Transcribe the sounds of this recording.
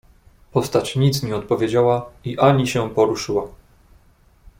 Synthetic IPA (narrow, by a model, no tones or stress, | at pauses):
pɔst̪at͡ɕɲit̪sɲɛɔt̪̚pɔvʲjed͡ʑawaiʔaɲiɕɛpɔɾuʂɘwa